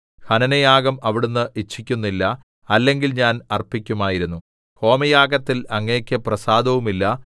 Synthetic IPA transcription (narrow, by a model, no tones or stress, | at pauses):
hɐnɐnɐjaːɡɐmɐʋiɽunːɨʔit͡ɕʰːikʲːunːilːɐ | ɐlːe̞ŋɡilɲaːnɐrpikʲːumaːjiɾunːu | ho̞ːmɐjaːɡɐt̪ːilɐŋːɐkʲːɨprɐsaːd̪ʱɐʋumilːɐ